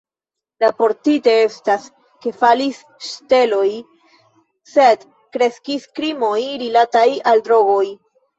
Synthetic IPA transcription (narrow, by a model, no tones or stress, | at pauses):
lapo̞ɾtite̞e̞stas | ke̞falis | ʃte̞lo̞j | se̞d | kɾe̞skiskɾimo̞jɾilatajaldɾo̞ɡo̞j